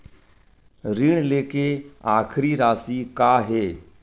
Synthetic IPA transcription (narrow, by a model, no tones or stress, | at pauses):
ɾiːɳleːkeːaːkʰɾiːɾaːsiːkaːɦeː